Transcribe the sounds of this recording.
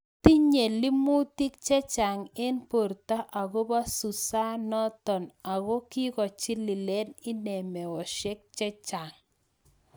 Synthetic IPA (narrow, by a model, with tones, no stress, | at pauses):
ti˦ɲe˨li˦mu˦ti˦kt͡ʃɛ˦t͡ʃa˨ŋe˦npo˨ɾta˦ʔa˨ɡo˦ba˦su˨sa˦nɔ˦tɔ˨na˨ɡo˦ki˦kɔ˨t͡ʃi˦li˨lɛ˦nɪ˦nɛ˨mɛ˨wɔ˨ʃɛ˦k̚t͡ʃɛ˦t͡ʃa˨ŋ